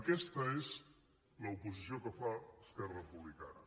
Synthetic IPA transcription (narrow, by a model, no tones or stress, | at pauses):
əkɛst̪əez | ləupuzisiokəfaəskɛrəəpuβlikanə